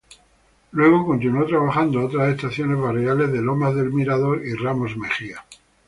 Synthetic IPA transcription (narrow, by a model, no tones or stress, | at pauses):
lwe̞ɣ̞o̞ko̞nt̪̬inuot̪ɾaβaxand̪oot̪ɾasest̪aθjo̞ne̞zβareale̞zðe̞lo̞mazðe̞lmiɾaðo̞ɾiramo̞zme̞xia